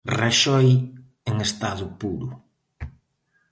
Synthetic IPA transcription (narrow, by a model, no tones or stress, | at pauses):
reʃɔj | eŋest̪aðʊpuɾʊ